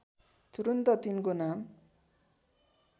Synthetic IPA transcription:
t̪uɾunt̪ʌt̪inkonam

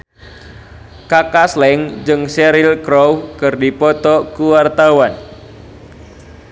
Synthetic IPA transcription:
kakaslɛŋd͡ʒɨŋsɛɾɪlkɾowkɨrdipɔt̪ɔkuwart̪awan

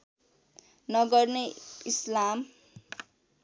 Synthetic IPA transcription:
nʌɡʌrneislam

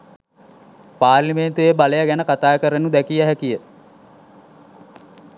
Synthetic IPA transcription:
paːɾrliment̪ujebaləjaɡænəkat̪aːkəɾənud̪ækijəɦækijə

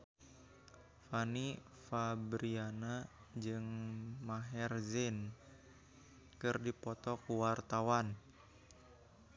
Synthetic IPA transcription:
fani | fabɾiana | d͡ʒɨŋmaɦɛrzin | kɨrdipɔt̪ɔkuwart̪awan

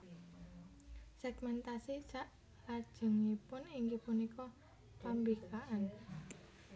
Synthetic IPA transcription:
sɛɡ̥mɛnt̪asit͡ʃaʔ | lad̥ʒ̥ə̤ŋipʊniŋɡipunikɔ | pambikaʔan

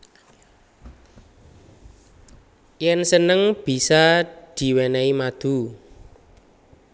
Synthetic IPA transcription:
jɛnsənəŋb̥i̤sad̪̥i̤wɛnɛimad̪̥ṳ

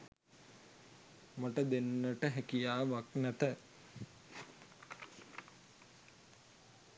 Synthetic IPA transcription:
maʈəd̪enːəʈəɦækijaːʋaknæt̪ə

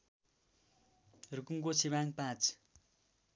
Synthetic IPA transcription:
rukuŋkot͡sʰibãŋpãt͡s

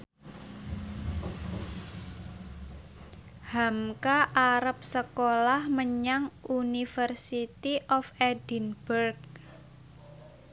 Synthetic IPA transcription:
hamkaʔaɾəp̚səkolahməɲaŋʔunifərsit̪iʔɔfɛdi̤nbərk

